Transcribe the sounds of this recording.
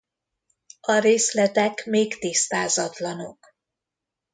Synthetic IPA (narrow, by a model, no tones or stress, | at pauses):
ɒɾeːslɛt̪ɛkmeːkt̪ist̪aːzɒt̪lɒno̞k